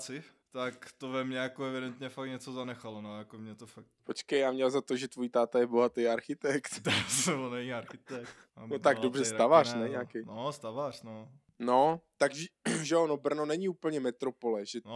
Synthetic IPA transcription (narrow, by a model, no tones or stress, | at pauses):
t͡sɪ | t̪akt̪ovɛmɲɛjakoɛvɪdɛnt̪ɲɛfak̚ɲɛt͡sozanɛxalonojakomɲɛt̪ofak̚t̪pot͡ʃkɛjaːmɲɛlzat̪oʒɛt̪vojit̪aːt̪ajɛbo̞ɦat̪ejaɾxɪt̪ɛkt̪sonɛɲiaɾxɪt̪ɛk̪ | not̪aɡdobrɛsst̪avar̥nɛɲaːkejnost̪avar̥no | not̪aɡʒɛʒɛonobr̩nonɛɲiuːpl̩ɲɛmɛt̪ɾo̞polɛʒɛn